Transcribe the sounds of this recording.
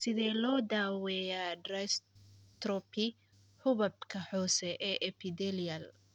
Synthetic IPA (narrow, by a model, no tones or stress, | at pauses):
sɪðɛːlɔːd̪aːwɛjadrɐst̪ɾɔpʰɪ | hʊβɐb̚kʰɐħɔːsɛʔɛːʔɛpʰɪd̪ɛliɐl